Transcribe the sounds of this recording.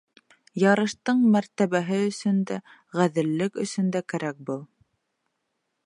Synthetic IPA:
jɑɾɤ̆ʃt̪ɤɴmæɾt̪æβæɦɘɵ̆sɵnd̪æ | ʁæðɘ̆lːɘkɵ̆sɵ̆nd̪ækæɾæk̚bɤlˠ

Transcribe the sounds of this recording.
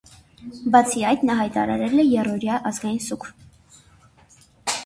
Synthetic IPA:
bɑt͡sʰiɑjt̪nɑɦɑjt̪ɑ̰ɾɑ̰ɾɛlɛjɛrɔɾjɑʔɑzɡɑjinsukʰ

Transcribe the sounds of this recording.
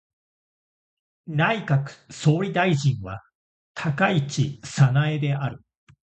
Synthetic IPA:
naikakɯ̟̥so̞ːɾʲid̪aiʑĩɰ̃βa | t̪ʰakait͡ɕisanae̞d̪e̞ʔaɾɯ̟

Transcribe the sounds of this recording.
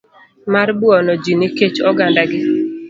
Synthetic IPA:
marbuɔnɔd͡ʒinɪket͡ʃɔɡandaɡɪ

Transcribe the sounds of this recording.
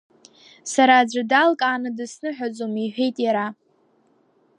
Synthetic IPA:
saɾaːd͡ʒʷadalkʼaːnɨdɨsnɨħʷᶣad͡zʼomiħʷᶣe̞jtʼjaɾa

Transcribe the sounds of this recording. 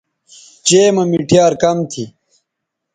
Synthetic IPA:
t͡ɕeːmɐmiʈijaːɾkɐmt̪ʰi

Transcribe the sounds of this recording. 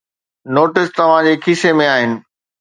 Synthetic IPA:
noːʈɪst̪ɐʋ̤ãd͡ʑeːkʰisemẽaːɦɪnɪ̆

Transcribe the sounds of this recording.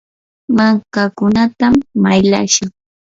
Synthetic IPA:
maŋkakʊnat̪amːajla̰ʃaŋ

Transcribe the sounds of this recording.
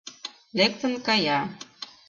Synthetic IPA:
lek̚t̪ə̆nkɑjɑ

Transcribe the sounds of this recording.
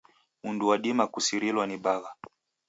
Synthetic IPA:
unduwaɗimakusiɾilwaniɓaɣa

